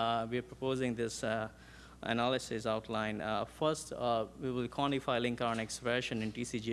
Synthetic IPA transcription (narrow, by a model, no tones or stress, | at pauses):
ʋiəɾpɾopoːzɪ̃ŋd̪ɪs | ə̰nælɪsɪsaʊʈʰlãɪ̃nfəɾsʈʋiːʋɪlkʰwɔ̃nɪfaɪlɪ̃ŋkɾãːneksʋɛːʃə̃nɪ̃nʈiːsiːd͡ʒi